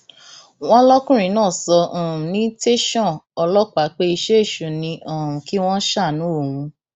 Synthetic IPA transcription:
w̃ɔ̃˦lɔ˦kũ˦ɾ̃ĩ˨˦nãː˦˨sɔ̃˧˨nĩ˨˦te˦ʃɔ̃˦˨ɔ˧lɔ˦k͡pa˨˦k͡pe˦i˧ʃe˦e˦˨ʃu˨nĩ˧ʔɔ̃˨ũ˨ki˦w̃ɔ̃˦ʃa˦˨nũ˨˦o˦˨hũ˨˧

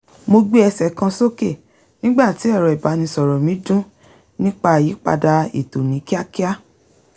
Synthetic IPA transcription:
mo˧ɡ͡be˦ɛ˧sɛ˨kã˧so˦ke˦˨ | nĩ˦ɡ͡ba˦˨ti˨˦ɛ˦˨ɾɔ˨i˨ba˨˦nĩ˧sɔ˨ɾɔ˨mĩ˨˦dũ˦ | nĩ˦k͡pa˧a˨ji˨˦k͡pa̰˧da˧ḭ˨to˨nĩ˨˦ki˦a˦ki˦a˦

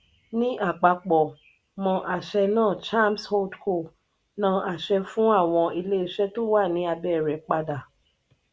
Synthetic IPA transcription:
nĩ˦ʔa˦˨k͡pa˨k͡pɔ˨ | mɔ̃˧ʔa˧˨ʃɛ˧nãː˦˨t͡ʃa˦˨msho˦dko˦˨ | nã˦ʔa˨ʃɛ˧fũ˦a˦˨w̃ɔ̃˧i˧le˦i˧˦ʃɛ˦to˦wa˦˨nĩ˨˦a˧bɛ˦˨ɾɛ˨k͡pa˧da˨

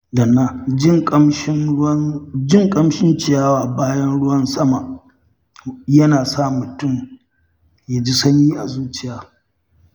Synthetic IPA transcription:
dɐ˨nːa˦d͡ʒɪ˦ŋʼ˦ʃ | d͡ʒɪ˦ŋkʼɐ˦mʃɪ˦nt͡ʃɪ˨jaː˦waː˨baː˦jɐ˦nɽʊ˦wɐ˦nsɐ˦ma˨ | jɐ˦naː˨saː˦˨mʊ˨tʊ˦˨m | ja˨d͡ʒi˦sɐ˦ɲjiː˦ʔa˨zuː˦t͡ʃɪ˦jaː˨

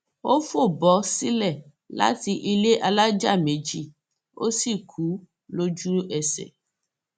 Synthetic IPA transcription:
o˦fo˦˨bɔ˨˦si˦lɛ˦˨ | la̰˦ti˨ʔi˨le˦ʔa˨la˦d͡ʒa˦˨me˨˦d͡ʒi˦˨ | o̰˦si˦˨kʰu˨˦ | lo˦d͡ʒu˦ɛ˨sɛ̰˨

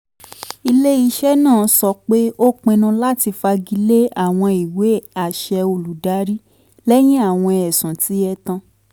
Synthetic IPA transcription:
i˧le˦i˧ʃɛ˦nãː˦˨˧sɔ˧k͡pe˦o˦k͡pẽ˧nũ˧la˦ti˧fa˧ɡi˧le˦a˦˨w̃ɔ̃˧i˨we˨˦a˨ʃɛ˧o˧lu˨da˨˦ɾi˦ | lɛ˦j̃ĩ˦a˦˨w̃ɔ̃˧ɛ˨sã˨ti˨˦ɛ˧tã˧

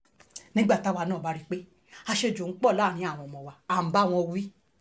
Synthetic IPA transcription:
nĩ˦ɡ͡ba˦˨ta˨˦wa˧nãː˦˨ba˨˦ɾi˦˧k͡pe˦ | a˧ʃe˧d͡ʒõ˨˦k͡pɔ˦˨laː˦˨ɾĩ˨˧˦a˦˨w̃ɔ̃˧˨mɔ̃˨wa˨a˨ba˦˨w̃ɔ̃˧wi˦

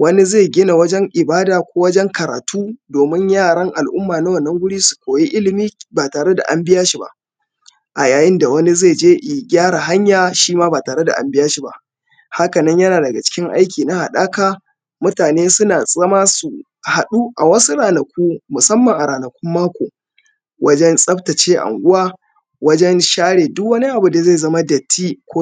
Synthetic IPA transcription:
wɐ˦ni˦zeː˦˨ɡʲɪ˦na˨wɐ˦d͡ʒɛ˦ŋʔɪ˨baː˦daː˨kʷoː˦wɐ˦d͡ʒɛ˦ŋkɐ˨ɾa̰ː˨tuː˦doː˨mɪ˦ɲjaː˦˨ɽɐ˦ŋʔa˨lʔʊ˦mːaː˨na˦wɐ˦˨nːɐ˦ŋwʊ˦ɽiː˦su̥˨kʷoː˨ji˦ʔɪ˦lɪ˨miː˦baː˨taː˨ɽe˦da̰˨ʔa˦mbɪ˦jaː˦ʃi˨ba̰˦ʔ | ʔa˨jaː˨jɪ˦nda˨wɐ˦ni˦zeː˦˨d͡ʒeː˦ʔɪ˨ɡʲaː˦ɽa˨ɦa˦ɲjaː˨ʃiː˦maː˦baː˨taː˨ɽe˦da˨ʔa̰˦mbɪ˦jaː˦ʃi˨ba̰˦ʔ | ha˦kɐ˨nɐ˦ɲjɐ˦naː˨dɐ˨ɡa˨t͡ʃɪ̥˦kʲɪ˦ŋʔa̰˦jkʲiː˨na˦ha˨ɗaː˦kaː˦ | mʊ˦taː˨neː˦sʊ˦naː˨zɐ˦ma˦su˨ | ha˨ɗu˦ʔa˨wɐ˦su˦ɽaː˨nɐ˨kʷuː˦mʊ˨sɐ˦mːɐ˨ŋʔa˨ɽaː˨nɐ˨kʷʊ˦mːaː˦kʷoː˨ | wʔɐ˦d͡ʒɛ˦nsʼɐ˦ptɐ˨t͡ʃeː˦ʔa̰˨ŋʔʷʊ˦waː˦ | wɐ˦d͡ʒɛ˦nʃaː˦ɽeː˨dʊ˦kwɐ˦ni˦ʔa˨bu˨da˨za˦˨zɐ˦ma˦dɐ˨tʰːiː˦kʷo˦

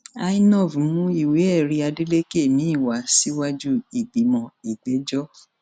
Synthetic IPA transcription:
a˧i˦nɔ̃˦˨vmũ˦i˨we˨˦ɛ˦˨ɾi˧a˧de˦le˦ke˦˨mĩ˨˦i˦˨wa˨˦si˦wa˦d͡ʒu˦i˨ɡ͡bi˨˦mɔ̃˧i˨ɡ͡be˨˦d͡ʒɔ˦

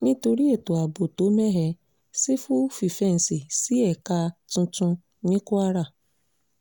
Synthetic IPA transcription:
ni˦tu˨ɾi˦e˨tu˨a˨bo˨to˦me˦ɦe˦ | si˦fʊ˦fi˨fe˦n̩˨si˨si˦e˨ka˦tʊ̃˦tʊ˦ | nɪ˦kʊ˦a˦ɾa˦˨

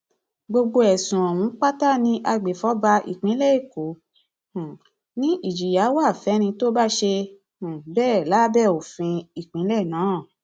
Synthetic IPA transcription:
ɡ͡bo˧ɡ͡bo˧ɛ˨sũ˨ɔ̃˨w̃ũ˨˦k͡pa˦ta˦˨nĩ˧ʔa˧ɡ͡be˨fɔ˨˦ba˧ʔḭ˨k͡pĩ˨˦lɛ˦˨i˦˨kõ˨˦˨ | nĩ˦ʔi˦˨d͡ʒi˨ja˨˦wa˦˨fɛ˨˦ɾ̃ĩ˧to˦ba˦ʃe˧ | ũ˨bɛː˦˨la˨˦bɛ˦˨o˨fĩ˧i˨k͡pĩ˨˦lɛ˦˨nãː˨˦˨

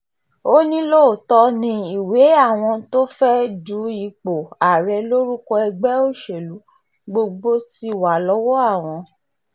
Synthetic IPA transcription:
o˦nĩ˦lo˦˨tɔ˧nĩ˧i˨we˨˦a˦˨w̃ɔ̃˧to˦fɛ˦du˨˦i˨k͡po˨a˨ɾɛ˧lo˦ɾu˦kɔ˧ɛ˧ɡ͡bɛ˦o˦˨ʃe˨lu˨˦ | ɡ͡bo˧ɡ͡bo˦ti˧wa˨lɔ˨˦wɔ˦a˦˨w̃ɔ̃˧

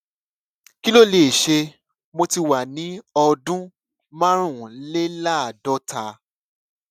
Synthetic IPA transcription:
ki˦lo˦˨le˨ʃe˧ | mo˧ti˧wa˨nĩ˨˦ɔ˧dũ˦ | mã˦ɾ̃ũ˦˨le˦la˦˨dɔ˦tʰa˧

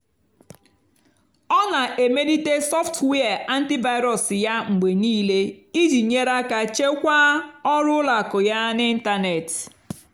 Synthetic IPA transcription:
ɔ˦na˨ʔe˨me˦di˦te˦sɔ˦ftwe˦a˨ʔa˦n̩˦ti˦va˦ɪ˦ɾɔ˨sja˦ŋ͡m̩˨ɡ͡be˨niː˦le˦i˦d͡ʒi˨ɲe˦ɾa˦ka˨t͡ʃe˦kʷa˦ɔ˦ɾʊ˦la˨kʊ˨ja˦nɪ˦n̩˦ta˦ne˨t

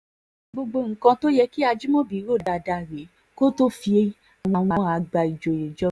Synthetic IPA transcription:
ɡ͡bo˧ɡ͡bo˧ŋ̩˨kã˧to˦jɛ˧ki˦a˧d͡ʒi˦mɔ̃˦bi˨˦ɾo˦˨da˨˧˨da˧˨ɾe˨˦ | ko˦to˦fi˧e˧˦ | a˨w̃ɔ̃˨w̃ɔ̃˧ã˧a˧ɡ͡ba˧˨i˨d͡ʒo˨je˨d͡ʒɔ˨˦

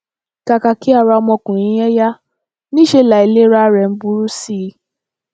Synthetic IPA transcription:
ka˨ka˨ki˨˦a˦˨ɾa˧mɔ̃˧kũ˨ɾ̃ĩ˨˦ɛ˦ja˦ | nĩ˦ʃe˧la˨i˨le˦ɾa˦ɾɛ˨n̩˦bu˦ɾu˦si˦˧˦

